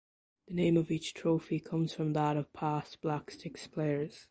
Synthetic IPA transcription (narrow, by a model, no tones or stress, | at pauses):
ðɨnẽɪ̃mʌvit͡ʃtʰɹ̥oʊfikʰʌ̃mz̥fɹə̃mðəɾəv̥pʰasb̥lakstʰɪkspʰleɪə˞z̥